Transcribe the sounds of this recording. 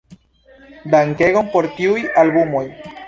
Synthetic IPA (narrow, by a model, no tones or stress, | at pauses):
d̪aŋkeɣompoɾt̪iujalbumoj